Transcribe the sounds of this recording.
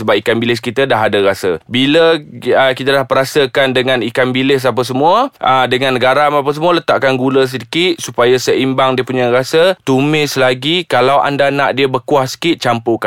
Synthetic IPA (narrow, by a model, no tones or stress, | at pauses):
səbap̚ikanbilɪskit̪ədaɦadəɾasə̰biləəkit̪adahpəɾasəkandəŋãnikanbilɪs̬ap̬əs̬əmuəʔədəŋãnːəɡaɾamap̬əs̬əmuələt̪aʔkanɡuləs̬ədikit̪̚supajasəimbaŋdiəpuɲaɾasət̪umɪslaɡikalawa̰ndanaʔdiəbəkuaʔsə̥kit̪̚t͡ʃampoka